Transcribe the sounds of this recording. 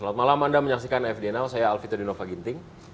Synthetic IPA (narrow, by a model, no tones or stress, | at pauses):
lat̪̚malamandaməɲaksikanaɛfdiɛnalsajaːlfit̪ɔdinofaɡint̪ɪŋ